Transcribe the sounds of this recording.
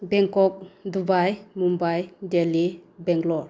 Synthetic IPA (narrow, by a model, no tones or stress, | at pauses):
bɛŋkɔk̚dubajmumbajdelibɛŋɡlɔɾ